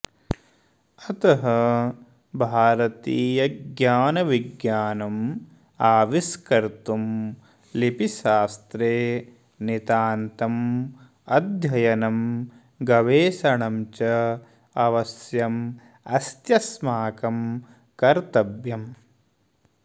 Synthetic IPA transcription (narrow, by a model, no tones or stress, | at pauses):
ɐt̪ɐɦɐ | bʱaːɾɐt̪iːjɐɡjaːnɐʋiɡjaːnɐm | aːʋiskɐɾt̪um | lipiʃaːst̪ɾeː | nit̪aːnt̪ɐm | ɐd̪ʱjɐjɐnɐm | ɡɐʋeːʃɐɳɐmt͡ʃɐ | ɐʋɐsjɐm | ɐst̪jɐsmaːkɐm | kɐɾt̪ɐbjɐm